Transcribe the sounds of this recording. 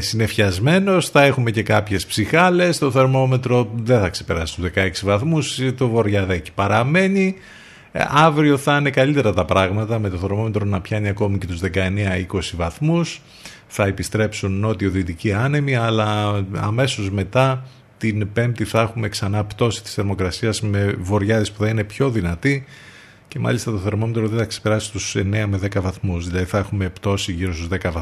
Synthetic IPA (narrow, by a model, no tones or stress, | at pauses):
sine̞fçɐzme̞no̞sθɐe̞xume̞ce̞kɐpçe̞spsixɐle̞st̪o̞θe̞ɾmo̞me̞t̪ɾo̞ðe̞θɐkse̞̥pe̞ɾɐ̰si̥t̪uzðe̞kɐe̞ksivɐθmust̪ovo̞ɾʝɐðeci̥pɐɾɐme̞ni | ɐvɾio̞θɐine̞kɐlit̪e̞ɾɐt̪ɐpɾɐɣmɐt̪ɐmet̪oθe̞ɾmo̞me̞t̪ɾo̞nɐpçɐniɐko̞mice̞t̪uzðe̞kɐe̞neɐiko̞sivɐθmus | θɐepist̪ɾe̞psunːo̞t̪ioðit̪iciɐnemiɐlɐɐ̰me̞so̞zme̞t̪ɐ | t̪inpe̞mp̚t̪iθɐexume̞ksɐnɐpt̪o̞si̥t̪i̥sθeɾmo̞kɾɐsiɐzme̞vo̞ɾʝɐðespuθɐnine̞pço̞ðinɐt̪i | ce̞mɐ̰list̪ɐt̪o̞θe̞ɾmo̞met̪ɾoðenθɐkse̥pe̞ɾɐsist̪use̞ne̞ɐme̞ðe̞kɐvɐθmusðilɐðiθɐexume̞pt̪o̞siʝiɾo̞st̪uzðe̞kɐvɐ